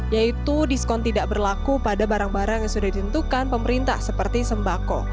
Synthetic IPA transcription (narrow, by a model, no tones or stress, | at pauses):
jait̪udiskɔnt̪idaʔbərlakupadabaɾaŋbaɾaŋjaŋsudahdit̪ənt̪ukanpəməɾint̪a̰hsəpərt̪isəmbakɔ̰